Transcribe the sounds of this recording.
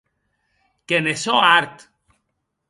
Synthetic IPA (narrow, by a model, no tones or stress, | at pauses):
kenesoaɾt̪